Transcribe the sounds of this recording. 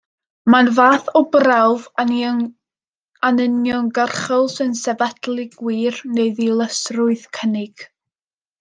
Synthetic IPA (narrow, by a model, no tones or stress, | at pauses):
manvaːθɔbrawv | anənjɔŋɡərχɔlˠsənsɛvatlˠɪɡwiːrneɨðilˠəsrʊɨðkʰənɪɡ̥